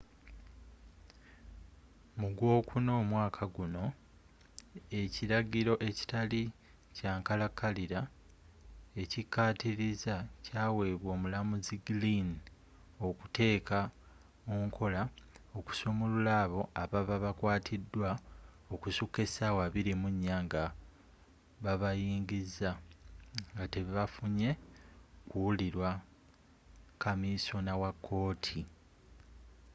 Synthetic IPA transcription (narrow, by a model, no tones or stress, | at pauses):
muɡwo̞ːkuno̞ːmwaːkʰaɡuno̞ | e̞ciɾaɡiɾo̞ʔe̞ci̥tali | caːŋkalakːaliɾa | e̞cikːaːtiɾizacaːwe̞ːβwo̞ːmulamuziɡilin | o̞ku̥te̞ːka | oŋkʰo̞laoku̥somululaːβo̞aβaβaβakwaːtʰidːwa | okusukːe̞sawaβiɾimuɲːaŋɡa | βaβajiːŋɡizːa | ŋɡate̞βiβafuɲe̞ | kuuliɾwa | kamiso̞nawakʰːo̞ːtʰi